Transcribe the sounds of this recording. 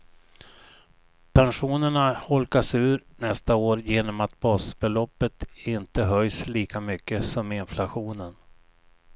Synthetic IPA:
pʰɛnɧuːnəɳahɔlkasʉ̟ːɾnɛst̪aoːɾjeːnɔmat̪̚bɑːsbɛlɔpːət̪ɪnt̪əɦœjsliːkamʏkːəsɔmɪnflaɧuːnən

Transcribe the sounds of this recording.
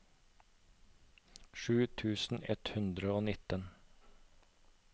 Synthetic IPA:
ʃʉːt̪ʰʉːsn̩ɛ̰t̪hʉnd̪ɾəoːnɪt̪ən

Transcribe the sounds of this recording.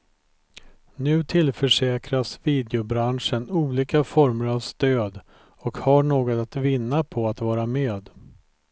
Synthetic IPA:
nʉ̟ːt̪ʰɪlfœʂɛːkɾasviːd̪ɛʊbɾanʂənuːliːkafɔɾməɾavst̪øːd̪ | ɔkhaɳoːɡɔt̪at̪vɪnːapʰɔat̪vɑːɾamøːd̪

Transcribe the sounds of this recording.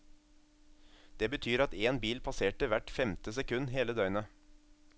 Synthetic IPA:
d̪̥eːbət̪ʰyːɾɑt̪eːnbiːlpʰɑseːʈəʋæʈfɛmt̪əsɛkʉnːɦeːləd̪œʏənə

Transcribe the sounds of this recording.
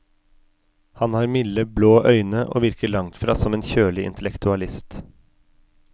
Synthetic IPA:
hɑnhɑːɾmɪləbloːʔœʏnəʔo̰ːʋɪɾkəɭɑŋt̪fɾɑ̰ːsɔmeːnçøːlɪʔɪ̰nt̪ʰlɛkt̪ʉɑlɪst̪

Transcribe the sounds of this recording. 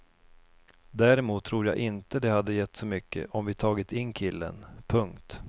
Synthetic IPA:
d̪æːɾɪmuːt̪ʰːɾuːɾja̰ːʔɪnt̪əd̪ɛhad̪ːəjɛt̪ːsɔmʏkːə̰ʔɔmvɪt̪ʰɑːɡɪt̪ɪnːkʰɪlːə̰npʰɵŋkt̪

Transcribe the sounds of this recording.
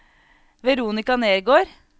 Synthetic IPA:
ʋɛɾuːnɪkɑneːɾɡoːɾ

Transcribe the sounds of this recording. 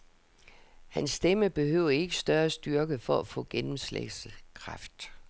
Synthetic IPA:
hænsːd̥eməb̥e̝ɦøʊ̰ɐe̝ɡ̥əsd̥ɶɐsd̥yɐɡ̥əfɒæfɔ̰̽ːɡ̥enm̩slḛ̥səkʰʁɑ̈fd̥

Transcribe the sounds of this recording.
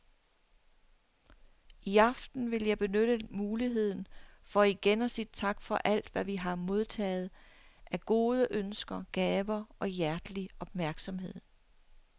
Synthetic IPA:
iɑ̈fd̥n̩ʋe̝ljɑ̈ɪb̥e̝nøɾ̥əmuːliɦe̝ð̞̰ˠn̩fɒ̽iɡ̥enɒ̽siːd̥t͡sʰɑ̈ɡ̥fɒ̽ʔæl̰d̥ʋæʋiɦɑ̈mo̝ð̞ˠt͡sʰɛ̰ːð̞̩ˠʔæɡ̥o̝ːð̞ˠəʔønsɡ̥ɐɡ̥ɛːʋɐʔɒ̽jæɐd̥liɒ̽b̥mæɐɡ̥sɒ̽mɦe̝ð̰ˠ

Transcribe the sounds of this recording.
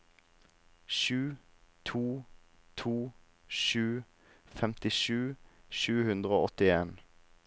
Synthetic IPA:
ʃʉːt̪ʰuː | t̪ʰuː | ʃʉː | fɛmt̪ɪʃʉːʃʉːhʉnd̪ʁəoːɔt̪ɪeːn

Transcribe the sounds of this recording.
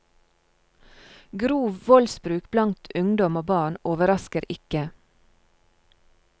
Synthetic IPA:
ɡɾuːʋʋɔlsbɾʉːkblɑnt̪ʰʉŋd̪ɔmoːbɑːɳoːʋəɾɑskəɾɪkə

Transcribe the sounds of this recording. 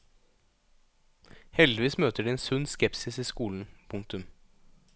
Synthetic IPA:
hɛld̪ɪʋiːsmøːt̪əɖiːeːnsʉnskɛpsɪsiːskuːln̩pʰʊŋk̚t̪ʉm

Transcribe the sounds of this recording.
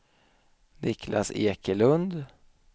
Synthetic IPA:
nɪkʰlʔa̰seːkəlɵnd̪

